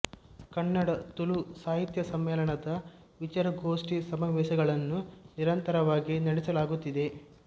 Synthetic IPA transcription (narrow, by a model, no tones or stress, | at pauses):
kɐnːɐɽɐt̪ulusaːɦit̪jɐsɐmːɛːlɐɳɐd̪ɐ | ʋit͡ʃɐɾɐɡoːʂʈisɐmɐːʋɛːʃɐɡɐɭɐnːuniɾɐnt̪ɐɾɐʋaːɡinɐɽɛsɐlaːɡut̪ːid̪e̞